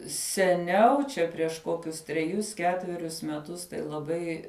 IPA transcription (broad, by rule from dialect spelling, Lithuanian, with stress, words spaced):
sʲɛˈnʲɛʊ t͡ʃʲɛ pʲrʲiɛʃ ˈkoːkʲʊs tʲrʲɛˈjʊs ˈkʲæːtʲʋʲɛrʲʊs mʲɛˈtʊs tɐɪ lˠɐˈbɐɪ